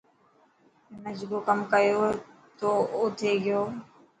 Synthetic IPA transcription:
nəd͡ʒɡoːkəmkəjoː | t̪oːʊt̪ʰeːɡɪjoː

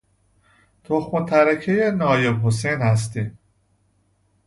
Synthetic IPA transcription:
t̪ʰoxmot̪ʰæɾæcʰejenɒːjebɦosejnhæs̬t̪im

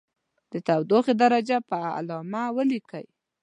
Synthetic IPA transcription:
d̪̥ət̪awd̪oxed̪aɾad͡ʒapəa̰lɑmawəlikəj

